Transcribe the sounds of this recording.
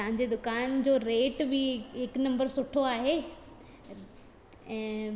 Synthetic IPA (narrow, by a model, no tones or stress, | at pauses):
t̪ɐɦãɲd͡ʑed̪ʊkaːnd͡ʑoːɾeːʈbɪɦɪknɐ̃mbəɾsʊʈʰoaːɦeː | ɛ̃ː